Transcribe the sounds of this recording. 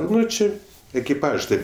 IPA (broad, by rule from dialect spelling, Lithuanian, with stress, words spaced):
ˈnʊ ˈt͡ʃʲɪ ɛkʲɪˈpɐʃs ˈtʲeːp